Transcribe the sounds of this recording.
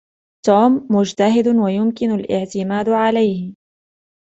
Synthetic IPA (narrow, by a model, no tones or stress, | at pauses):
t̪uːmːʊd͡ʒt̪aɦɪd̪wajʊmkɪnalʔɪ̰ʕt̪ɪmaːd̪ʕalajhɪ